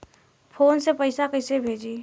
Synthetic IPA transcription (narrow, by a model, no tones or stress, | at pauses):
pʰoːnsepəɪsakəɪsebʱeːd͡ʒiː